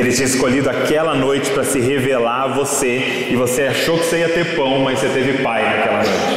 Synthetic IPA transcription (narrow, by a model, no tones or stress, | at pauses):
elɪt͡ʃĩɲɐɪskoʎid̪ʊakɛlɐnojt͡ʃɪ̥pɾɐsɪɦevelaɾvose | ɪvoseaʃowkɪ̥oseiɐt̪eɾpɐ̃w̃mɐjsset̪evɪpajnakɛlɐnojt͡ʃɪ